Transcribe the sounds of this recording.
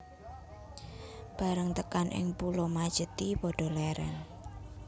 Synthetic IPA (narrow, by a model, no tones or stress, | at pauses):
b̥a̤ɾəŋt̪əkanʔɪ̰ŋpulɔmad̥ʒ̥ə̤t̪ipɔɖ̥ɔ̤lɛɾɛ̰n